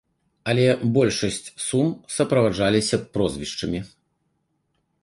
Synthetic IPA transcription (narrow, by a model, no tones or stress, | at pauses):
ɐlʲɛbɔlʲʂɐsʲt͡sʲsumsɐpɾɐvaʐalʲisʲɐpɾɔzvʲiʂt͡ʂɐmʲi